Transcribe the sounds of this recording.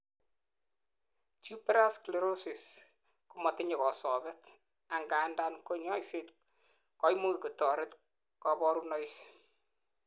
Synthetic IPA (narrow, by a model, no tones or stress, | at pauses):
t͡ʃupɾaskleɾosis | kumɔteɲɔkɔsɔβɛt | aŋɡandankoɲɔiset | kɔjmukikutɔɾet | kɔbɔɾunɔj